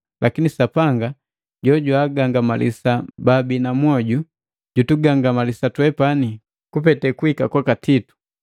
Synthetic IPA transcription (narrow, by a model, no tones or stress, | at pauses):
lʔakinisapaŋɡa | ɟɔɟwaɡaŋɡamalḭsababinamwɔɟu | ɟutuɡaŋɡamalisatwɛpani | kupɛtɛkuikakwakatʰitu̥